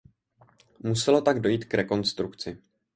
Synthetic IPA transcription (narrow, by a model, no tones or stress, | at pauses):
musɛlo̞t̪aɡdo̞jiːt̪kɾɛko̞nst̪ɾukt͡sɪ